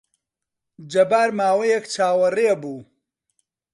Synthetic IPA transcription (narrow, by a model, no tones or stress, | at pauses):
d͡ʒɐbaːɾmaːwɐjɛkt͡ʃʰaːwɐrebuː